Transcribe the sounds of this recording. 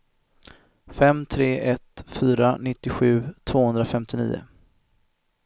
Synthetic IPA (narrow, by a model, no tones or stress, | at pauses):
fɛmt̪ʰɾeːʔɛt̪fyːɾanɪt̪ːɪɧʉ̟ːt̪ʰv̥oːhɵnd̪ɾafɛmt̪ɪnḭːʊ̰